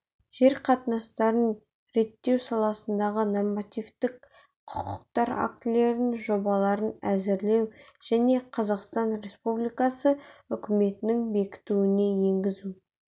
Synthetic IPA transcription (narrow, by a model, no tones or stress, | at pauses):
ʒ̥e̞ɾqʰɑt̪nɑst̪ɑɾən | ɾe̞t̪ːe̞wsɑlˠɑsənd̪ɑʁəno̞rmat̪ijvt̪ɪk | qʰʊ̥qʰʊq̚t̪ɑɾa̰kt̪le̞ɾɪnʒo̞bɑlˠɑɾənæzɪɾle̞wʒ̥æne̞qʰɑzɑqst̪ɑnɾe̞spublijkɑsəʏkʲɪme̞t̪ɪnɪŋbe̞kʲɪ̥t̪uwɪne̞je̞ŋɡʲɪzu